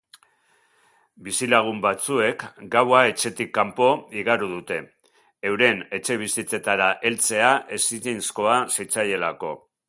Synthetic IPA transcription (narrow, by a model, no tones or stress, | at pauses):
bisilaɣ̞umbat͡sue̞kɡawae̞t͡ʃe̞t̪ikːampo̞iɣaɾuð̞ut̪e̞ | ewɾe̞ne̞t͡ʃe̞β̞isit͡se̞t̪aɾaʔe̞lt͡se̞aʔe̞sitinsko̞asejt͡saʎe̞lako̞